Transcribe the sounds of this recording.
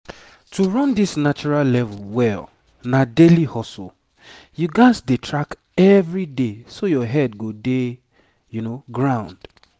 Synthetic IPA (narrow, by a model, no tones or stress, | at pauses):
tuɹɔ̃ndisnat͡ʃɔɹallɛvulwɛl | nadelihɔsɔ̰ | juɡãsdetʰɹak | ɛvɹidesojɔɦɛdɡode | junoɡɹãʊ̃nd̥